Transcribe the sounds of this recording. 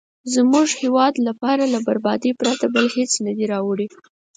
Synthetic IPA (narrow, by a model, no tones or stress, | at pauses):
zmuʒhewɑd̪lapɑɾalabaɾbɑd̪ipɾat̪abəlhet͡snad̪iɾɑwɽi